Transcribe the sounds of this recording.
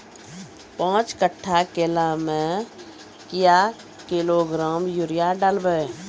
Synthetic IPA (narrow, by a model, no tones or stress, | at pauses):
pãːt͡ʃkəʈʰːakeːlamẽ | kɪja | kɪloɡɾaːmjuɾɪjaɖalbəe